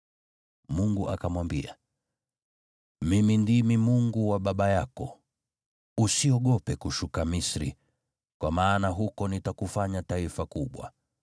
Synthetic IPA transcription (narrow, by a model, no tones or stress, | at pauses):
muŋɡuʔakamwambia̰ | mimindimimuŋɡuwaɓaɓajakɔ | usiɔɠɔpɛkuʃukamisɾḭ | kwamaːnaɦukɔnitakufaɲataifakuɓwa̰